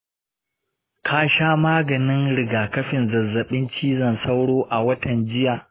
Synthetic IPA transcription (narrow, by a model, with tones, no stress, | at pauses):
kʰaː˦˨ʃaː˦maː˦ɡɐ˨nɪ˦nɽɪ˨ɡaː˨kɐ˦ɸɪ˨nzɐ˨zːɐ˨ɓɪ˦nt͡ʃiː˦zɐ˨nsa˦wɽoː˦ʔa˨wɐ˦tɐ˨nd͡ʒɪ˦jaː˨